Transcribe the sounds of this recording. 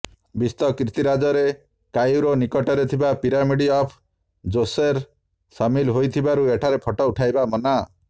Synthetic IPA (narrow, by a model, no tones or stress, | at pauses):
bist̪ɔkɾit̪iɾad͡ʒɔɾe | kajuɾonikɔʈɔɾet̪ʰibapiɾamiɽiɔpʰ | d͡ʒoseɾ | samilɦojt̪ʰibaɾueʈʰaɾepʰɔʈɔuʈʰajbamɔna